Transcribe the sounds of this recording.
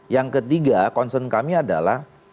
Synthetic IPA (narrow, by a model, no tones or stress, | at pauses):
jaŋkət̪iɡakɔnsənkamiada̰lah